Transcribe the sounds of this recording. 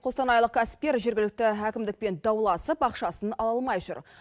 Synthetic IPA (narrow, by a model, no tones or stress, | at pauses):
qʰo̞st̪ɑnɑjlˠəq̚kʰæsɪ̥p̚kʲe̞ɾʒe̞ɾɡʲɪlɪk̚t̪ɪɦækʲɪmd̪ɪk̚pe̞nd̪ɑwlˠɑsəpɑqʃɑsənɑlˠɑlˠmɑjʒʊ̰ɾ